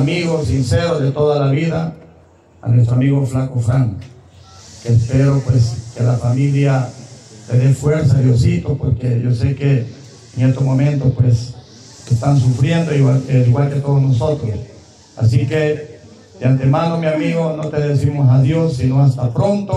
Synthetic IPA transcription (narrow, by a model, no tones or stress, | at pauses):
amiɣosinseɾoðet̪oðalaβiða | a̰nwest̪ɾoamiɣoflaŋkofɾaŋ | keːspeɾopweskelafamiljaleðefweɾs̬aðjosit̪ospoɾkeʝosekeː | ŋest̪ozmomẽnt̪ospwes | est̪ans̬ufɾjend̪oiwaliɣwalket̪o̞ðoznosot̪ɾos | a̰s̬ike | d̪jant̪emanomjamiɣonot̪eðesimos̬aðjo̞sːinoast̪apɾont̪o